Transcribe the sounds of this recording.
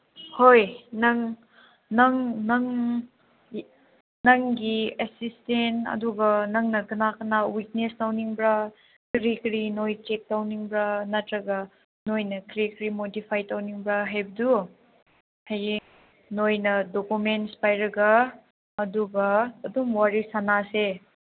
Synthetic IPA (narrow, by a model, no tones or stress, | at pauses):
hojnɐŋ | nɐŋnɐŋ | nɐŋɡiesistentɐ̰duɡɐnɐŋnɐɡɯnakɐnawit̚nestawniŋbɾa | kɾikɾinojt͡ʃek̚tawniŋbɾanɐtɾɐɡɐ | nojnɐkɾikɾimodipʰajtawniŋbɾaɦajbɐdu | haj | nojnɐdokumentspajɾɐɡɐː | duɡɐːdumwaɾisanase